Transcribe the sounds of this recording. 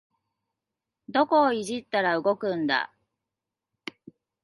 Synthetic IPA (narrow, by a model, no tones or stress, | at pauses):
d̪o̞ko̞ːiʑit̪ːaɾaɯ̟ɡo̞kɯ̟̃nd̪a̰